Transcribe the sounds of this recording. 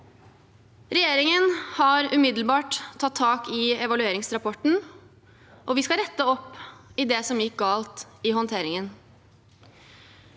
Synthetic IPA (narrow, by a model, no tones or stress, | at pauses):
ɾɛjeːɾɪŋənhɑɾʉmɪd̪l̩bɑːʈ̪ʰːɑt̪ʰːɑːkɪɛʋɑlʉeːɾɪŋsɾɑpʰɔʈn̩ | ʔɔʋɪskɑɾɛt̪ːəɔpːɪd̪ɛsɔmjɪk̚ɡɑːlt̪ɪhɔnt̪ʰeːɾɪŋən